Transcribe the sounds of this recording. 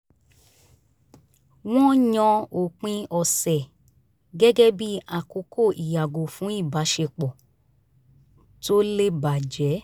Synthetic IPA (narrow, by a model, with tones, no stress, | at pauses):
w̃ɔ̃˦ɲɔ̃˧o˨k͡pĩ˧˦ɔ˧sɛ˨ | ɡɛ˦ɡɛ˦bi˦a˦˨ko˨˧˦kʰo˦˨ʔi˨ja˨ɡo˨fũ˨˦i˦˨ba˨˦ʃe˧k͡pɔ˨ | to˦le˦ba˨d͡ʒɛ˨˦